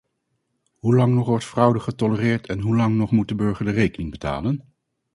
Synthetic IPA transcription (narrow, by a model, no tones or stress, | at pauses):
ɦulɑŋnɔχʋɔɹtfrʌwdəχətɔlərɪːɹtʰɛnɦulɑŋnɔχmut̚dəbɵɹχəɹdərejkənɪŋbəta̰ːlən